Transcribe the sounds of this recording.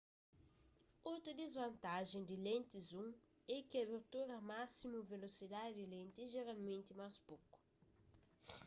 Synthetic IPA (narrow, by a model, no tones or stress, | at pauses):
ot̪ɾʊd̪ezvɐ̃nt̪aʒẽd̪ɪlẽnt̪ɪzũŋ | ɛkɪaβeɾt̪uɾɐmasimʊvelosid̪ad̪ɪd̪ɪlẽnt̪ɪʒeɾalmẽnt̪ɪmaspokʊ̥